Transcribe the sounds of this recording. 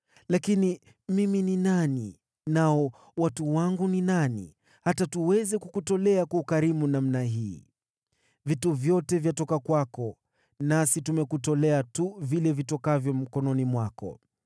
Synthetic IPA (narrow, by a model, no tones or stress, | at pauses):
lakini | mimininani | naɔ | watuwaŋɡuninanḭ | hatatuwɛzɛkukutɔlɛakaukaɾimunamnaɦiː | vituvjɔtɛvjatɔkakwakɔ | nasitumɛkutɔlɛatuvilɛvitɔkavjɔm̩kɔnɔnimwakɔ̰